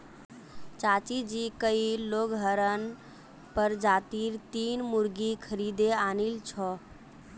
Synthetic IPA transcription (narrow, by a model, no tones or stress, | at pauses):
t͡ʃat͡ʃid͡ʒikəiloɡɦəɾən | pəɾd͡ʒat̪iɾt̪inmuɾɡikʰəɾid̪eanilt͡ʃʰɔ